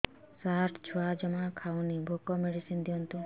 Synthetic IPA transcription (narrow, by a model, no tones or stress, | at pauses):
saɾʈd͡ʒʰuad͡ʒɔmakʰawnibʱokɔmeɽisind̪iɔnt̪u